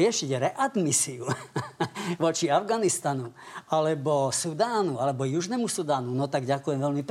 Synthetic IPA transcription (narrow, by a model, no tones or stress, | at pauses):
ɪɛʃiɟɾɛʔad̪misiu | ʋɔt͡ʃiavɡanist̪anualɛbɔsud̪aːnualɛbɔjuʒnɛmusud̪aːnunɔt̪aɡɟakujɛmʋɛlmip